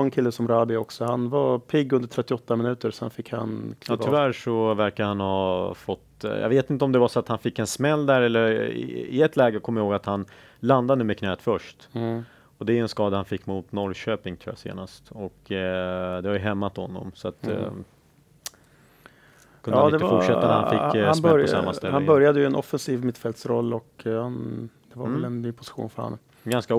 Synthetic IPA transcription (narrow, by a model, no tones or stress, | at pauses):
nkʰɪlːəsɔmɾaːbɪɔksɔhanvapʰɪɡːɵnd̪əʈʰɾɛt̪ːɪɔt̪ːamɪnʉ̟ːt̪əɾsɔɛnfɪkha̰nkʰɑːt̪ʰːvæɾʂɔvæɾkahanhɑːfɔt̪ːjɑ̰veːt̪ɪnt̪əɔmd̪ɛvasɔat̪hanfɪkːɛnsmɛlːd̪æɾɛlːəɾɪ̰ɪ̰ɛt̪lɛːɡəkʰɔmːjahoːɡat̪han | land̪anʉːmɛkʰnɛːt̪fœʂt | ɔd̪ɛæɾɵɛnskɑːd̪ahanfɪkːmʊt̪nɔɾɕøːpɪŋt̪ʰɾṵːja̰sḛːnast̪ɔk | d̪ɛvaɾjɵɦɛmːat̪hɔnːɔ̰msɔat̪ | kɵnaːd̪ɪɛəfʊʂɛt̪ːanɛhanfɪːhabɾɔɔsa̰mːast̪ɛlhanɪbœɾjad̪əjəɛnɔfːɛnsiːvmɪt̪fɛlt̪sɾɔlːɔkhan | d̪̥ɛva̰ɾvɛlɛnːyːpʰʊ̥sɪ̥ɧṵːnfœɾha̰nːə | ɡanska